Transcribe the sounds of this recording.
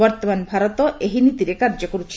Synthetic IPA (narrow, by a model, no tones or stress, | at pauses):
ɔɾt̪omanbʱaɾot̪oʔeɦinit̪iɾekaɾd͡ʑokoɾet͡ɕʰ